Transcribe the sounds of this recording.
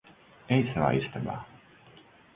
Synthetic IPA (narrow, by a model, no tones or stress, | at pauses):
ɛjsava̰ːist̪aba̰ː